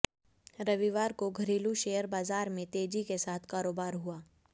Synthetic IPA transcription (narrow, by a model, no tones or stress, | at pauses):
ɾɐʋiʋaːɾkoɡʱɐɾiːluʃeːjəɾbaːzaːɾmẽt̪eːd͡ʒikesaːt̪ʰkaːɾoːbaːɾɦuaː